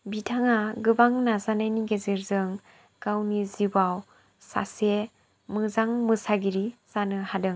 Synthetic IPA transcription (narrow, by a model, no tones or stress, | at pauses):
bitʰaŋaɡɯbaŋnazanajniɡezɯɾzɯŋ | kawnizibaw | sa̰se | mɯzaŋmɯsaɡiɾiz̥anɯhadɯŋ